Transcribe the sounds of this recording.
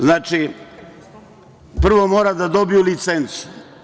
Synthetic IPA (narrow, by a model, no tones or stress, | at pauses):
znaːt͡ʃi | pr̩ʋo̞moːɾad̪ad̪o̞bijulit̪sent̪su